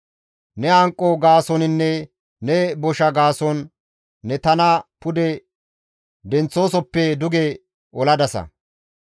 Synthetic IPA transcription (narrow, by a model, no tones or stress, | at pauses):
nɛɐŋkʼːɔɡaːsɔnɪnːɛ | nɛbɔʃɐɡaːsɔnː | ɛt̪ɐnɐpʊd̪ɛ | d̪ɛnt͡sːo̞ːsɔpːɛd̪ʊɡɛ | ɔlɐd̪ɐsɐ̰